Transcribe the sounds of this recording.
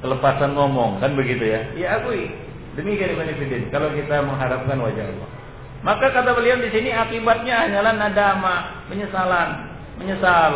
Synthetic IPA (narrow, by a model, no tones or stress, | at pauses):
kələpasanŋɔmɔŋkanbəɡit̪ujajaːɡui | dəmikiandikanifidɛnkalawkit̪aməŋɦaɾap̚kanwad͡ʒarlɔ̰ | makakat̪abəliandisiniakibat̪̚ɲaaɲalahnadamapəɲəsalan | məɲəsal